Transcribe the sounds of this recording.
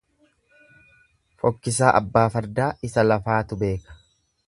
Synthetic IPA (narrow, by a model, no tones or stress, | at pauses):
fɔkːɪs̬aːʔɐ̰bːaːfɐɾd̪aːɪsɐlɐfaːt̪ʊbe̞ːkɐ̥